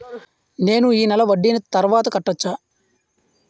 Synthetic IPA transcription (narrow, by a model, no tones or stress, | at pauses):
ne̞ːnuiːnɛlɐʋɐɖːinɐt̪ɐɾʋaːt̪ɐkɐʈːɐt͡ʃːaː